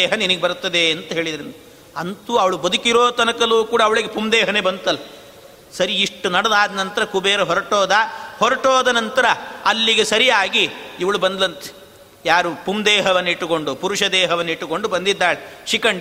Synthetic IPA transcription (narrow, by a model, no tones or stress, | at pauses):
ɛːɦɐninɐɡebɐɾut̪ːɐd̪eɐnt̪ɐɦe̞ːɭid̪ɐɾind̪ɐ | ɐnt̪uɐʋɐɭubod̪ukiɾoːt̪ɐnɐkɐluːkuːɽɐːʋɐɭiɡepumd̪ɛːɦɐnebɐnt̪ɐlːɐ | sɐɾiːʂʈunɐɽɐd̪aːd̪ɐnɐnt̪ɐɾɐkubeːɾɐɦɔɾɐʈoːd̪ahɔɾɐʈoːd̪ɐnɐnt̪ɐɾɐɐlːiɡesɐɾijaːɡiiʋɐɭubɐnd̪lɐnt̪e̥ | jaːɾupumd̪ɛːɦɐʋɐnːiʈːukoɳɖupuɾuʂɐd̪ɛːɦɐʋɐnːiʈːukoɳɖubɐnd̪id̪ːaːɭeʃikɐɳɖ